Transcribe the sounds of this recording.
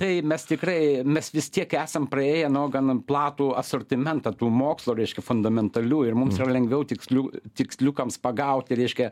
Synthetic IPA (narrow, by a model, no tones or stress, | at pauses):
t̪ɐɪmʲɛst̪ʲɪkrɐɪmʲɛsʋʲɪst̪ʲiɛkæːsɐmprɐeːjɛnoːɡɐnplˠɑːt̪uːɐsorʲt̪ʲɪmʲɛnt̪ɐt̪uːmoːkslˠoːɾʲɛɪʃʲkʲɛfʊnd̪ɐmʲɛnt̪ɐlʲuːɪrmʊmsiːrɐlʲɛŋʲɡʲʋʲɛʊtʲɪksʲlʲut̪ʲɪksʲlʲukɐmspɐɡɐʊt̪ʲɪɾʲɛɪʃʲkʲɛ